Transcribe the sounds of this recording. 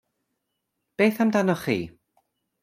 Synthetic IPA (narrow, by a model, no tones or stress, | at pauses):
b̥eːθamdanɔχḭː